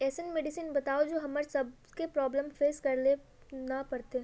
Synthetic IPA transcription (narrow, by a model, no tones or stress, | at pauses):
ɛːsənmeːɖisiːnbɐt̪aːod͡ʒoːɦɐməɾsɐb | kepɾɔːbləmfeːzkɐɾle | nɐpɐɾt̪e